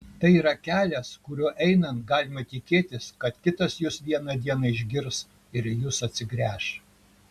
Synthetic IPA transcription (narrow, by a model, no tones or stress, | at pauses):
t̪ɐɪiːɾɐkʲæːlʲɛskʊɾʲuːʔɛɪnɐnɡɑːlʲɪmɐt̪ʲɪkʲeːt̪ʲɪskɐt̪kʲɪt̪ɐsjʊsʋʲiɛnɐd̪ʲiɛnɐɪʒʲɡʲɪɾs | ɪɾjʊsɐt̪ʲsʲɪɡɾʲæːʃ